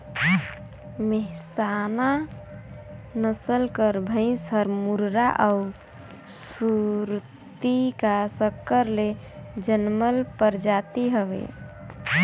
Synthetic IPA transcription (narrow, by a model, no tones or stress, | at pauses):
meɦsana | nəsəlkəɾbʱə̃ɪ̃səɾmuɾɾaʔau | suɾ | t̪ikasəkːəɾle | d͡ʒənməlpəɾd͡ʒat̪iɦəʋḛ